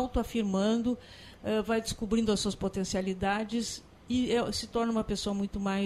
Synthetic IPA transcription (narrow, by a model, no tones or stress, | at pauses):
wt̪ʊafiɾmɐ̃nd̪ʊ | ɛvajd͡ʒ̪ɪskubɾĩnd̪ʊɐsuɐspot̪ẽsialid̪ad͡ʒɪz | ɪɛsɪt̪ɔɾnɐũmɐpesoɐmũj̃t̪ʊmaj